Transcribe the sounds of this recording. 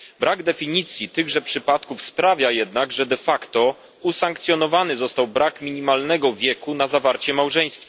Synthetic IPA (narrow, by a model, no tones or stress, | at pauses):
bɾʔaɡd̪ɛfʲiɲit̪sʲjit̪ɘɣʐɛpʂɘpat̪kufspɾavʲjajɛd̪naɡʐɛd̪ɛfakt̪ɔ | usaŋkt̪sʲjɔnɔvanɘzɔst̪awbɾakmʲiɲimalnɛɡɔvʲjɛkunazavaɾt͡ɕɛmawʐɛj̃st̪fa